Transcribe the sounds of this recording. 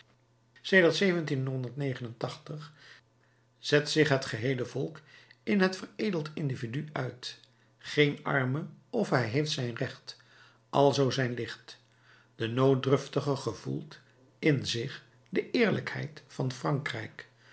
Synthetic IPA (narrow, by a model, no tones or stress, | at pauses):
sejdəɹtsejvəntinɦɔndəɹtnejχənəntɑχtəχ | z̥ɛtsɪχɦətχəɦejləvɔlˠkɪnɦətfərejdəlˠtɪndividyʔœɥt | χejnɑ̰ɹməɔfɦɛjɦejftsɛjnrɛχt | ʔɑlˠzowzɛjnlɪχt | d̥ənow̚drɵftəχəχəv̥ṵlˠt | ɪnzɪχ | dəʔɪːɹlə̰khɛ̰jtfɑnfrɑŋkrɛ̰jk